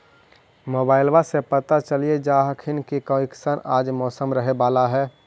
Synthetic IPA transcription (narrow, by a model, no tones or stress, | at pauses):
moːbaːɪlbasepət̪at͡ʃəlied͡ʒaːɦkʰɪnkikə̃ɪksənaːd͡ʒmɔːsəmɾəɦebaːlaɦɛː